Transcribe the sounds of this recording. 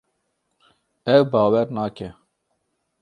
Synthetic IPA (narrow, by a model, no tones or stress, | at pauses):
ɛwbɑːwɛɾnɑːkɛ